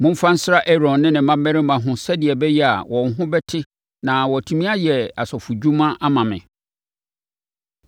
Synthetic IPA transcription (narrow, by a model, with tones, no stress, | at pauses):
mʊ̃˦m̩˦fã˦n̩˦sɪ˦ɾa˦ʔɛ˦ɾɔ̃˨nːɪ̃˦nɪ̃˨mã˦mːɛ˦ɾɪ˦mã˨ɦʊ̃˨sɛ˦dɪ˨ɛ˨bɛ˦jɛ˦a̰˨wʔɔ̃˨nɦʊ̃˦bɛ˦tʰɪ˦ | nã˨wɔ˨tʰu˨mĩ˦a˦jɛ˨a˨sɔ˨fu˨d͡ʑᶣu˦mã˦ʔa˦mã˨mɪ̰̃˨